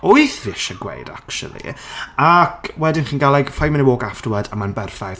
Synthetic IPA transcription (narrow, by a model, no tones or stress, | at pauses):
ojθvɪʃəɡwḛjda̰kʃṵlˠḭakʰwɛdɪnχiːnɡalˠaɡfajməniwoːɡafdwadəmanbɛrθajθ